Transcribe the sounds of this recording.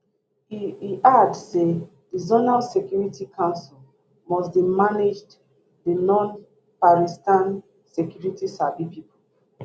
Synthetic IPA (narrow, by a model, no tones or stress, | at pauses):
iiʔadse | dizonalsɛkjuɹitikʰãnsil | mɔsbimaned͡ʒd | dinɔ̃n | paɹistãn | sɛkjuɹitisabipipo